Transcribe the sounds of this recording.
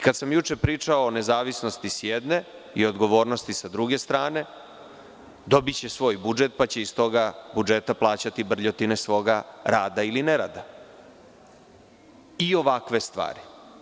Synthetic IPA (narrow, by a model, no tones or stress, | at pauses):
ikad̪samjut͡ʂe̞pɾiːt͡ʂaoːne̞zaːʋisno̞st̪isjed̪ne̞ | io̞d̪ɡo̞ʋo̞ːɾno̞st̪isad̪ɾuɡe̞st̪ɾaːne̞ | d̪o̞bit͡ɕe̞sʋo̞ːjbud͡ʒe̞t̪̚pat͡ɕe̞ist̪o̞ɡabud͡ʒet̪aplˠaːt͡ɕat̪ibr̩ʎot̪inesʋo̞ɡaɾaːd̪ailineɾa̰ːd̪a | io̞ʋakʋe̞st̪ʋa̰ːɾi